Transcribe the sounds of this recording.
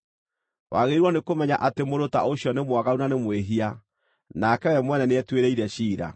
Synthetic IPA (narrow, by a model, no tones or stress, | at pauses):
wʔa̰ɣeɾiɾwɔnekomɛɲaʔatemoɾota̰oɕjɔnemwaɣaunanemweɦia | nakɛwɛmwɛnɛneɛtweɾeiɾɛɕiːɾa̰